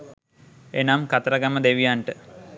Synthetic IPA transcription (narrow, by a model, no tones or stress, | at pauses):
enamkat̪ɐɾəɡɐməd̪eʋijaɳʈə